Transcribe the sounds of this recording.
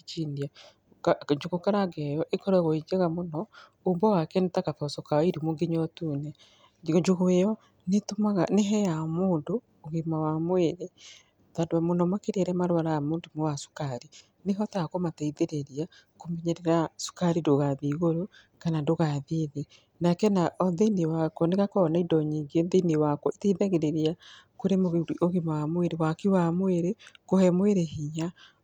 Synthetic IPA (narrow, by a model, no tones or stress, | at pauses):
it͡ʃiːndia | kd͡ʒuɣokaɾaɡɛjɔʔekɔɾɛɣoid͡ʒeɣamonɔ | ombɔwakɛnetakafɔsɔkaiɾimuŋɡiɲɔtunɛ | d͡ʒuɣejɔ | netomaɣaneɦɛjamuːndoː | ɣimawamweɾe | tadwamonɔmakiɾeɾɛmaɾwaɾaamundumowasu̥kaɾi | neɦɔtakomataiðeɾeɾia | komiɲeɾeɾasu̥kaɾidoɣaðiɣoɾo | kanandoɣaðiðe | nakɛnaʔɔðiniwakɔneɣakɔɔnaidɔɲiɡienðiniwakɔiteiðaɣeɾeɾia | koɾemooɣimawamweɾewakiwamweɾekohɛmweɾehiɲa